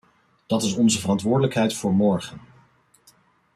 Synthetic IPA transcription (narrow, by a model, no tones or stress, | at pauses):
d̥ɑtɪsɔnzəvərɑntʋʊːɹdələkɦɛjtfʊːɹmɔɹχən